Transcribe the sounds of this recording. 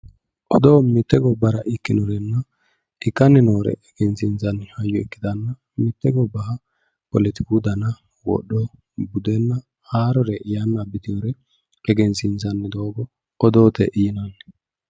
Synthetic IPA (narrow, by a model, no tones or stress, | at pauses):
ʔɔd̪oːmɪt̪ːɛɡɔbːɐɾɐʔɪkːɪnɔɾɛnːɐ | ʔɪkːɐnːɛnoːɾɛ̰ʔɛɡɛnsɪnzɐnːhɐjːɔɛkːɪd̪ɐnːɐ | mɪt̪ːɛɡɔbɐhɐ | pɔlɛt̪ɪkud̪ɐnɐ | wɔ̰ɗːɔ | bʊd̪ɛnːɐ | haːɾɔɾɛʔɪjanːɐbɪt̪ɪjoɾɛ | ɛɡɛnsɪnzɐnːɛd̪o̞ːɡɔ | ɔd̪oːt̪ɛʔiːnɐn